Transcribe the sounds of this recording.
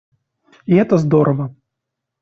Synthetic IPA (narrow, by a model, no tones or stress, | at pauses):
iɛt̪ɐzd̪ɔɾʔɐvɐ